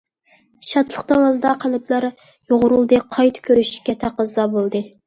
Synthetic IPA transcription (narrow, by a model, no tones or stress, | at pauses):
ʃɑt̪lˠəχd̪ɑwɑzd̪ɑqʰælɪpʰlˠɑɾ | joʁʊɾulˠd̪ɨqʰɑjt̪ʰkʲʰøɾyʃɪ̥kʲɛt̪ʰæqəzd̪ɑbolˠd̪ɨ